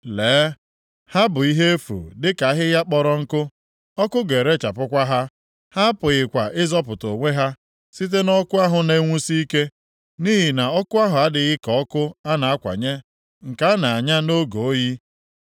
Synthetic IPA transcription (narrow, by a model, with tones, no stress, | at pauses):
leː˨˦ | ha˦bʊ˨i˦ɦe˦e˦fṵ˨dɪ˦ka˨a˦ɦɪ˦ja˦k͡pɔ˨ɾɔ˦ŋ̩˦kʊ˦ | ɔ˦kʊ˦ɡe˨ɾe˦t͡ʃa˨pʊ˦kʷa˦ɦa˦ | ha˦a˦pʊ˨ɣɪ˨kʷa˨ʔɪ˦zɔ˦pʊ˨to˨ŋʷe˦ɦa˦ | si˦t̬e˦nɔ˦kʊ˦a˦ɦʊ˨ne˦ŋʷu˦si˦i˦ke˦ | ni˦ɦi˨na˨ɔ˦kʊ˦a˦ɦʊ˨a˦dɪ˨ɣɪ˦kɔ˨ɔ˦kʊ˦a˦na˨a˦kʷa̰˨ɲe˦ | ŋ̩˨ka˦a˦na˨a˨ɲa˦no˦ɡo˨o˦ji˦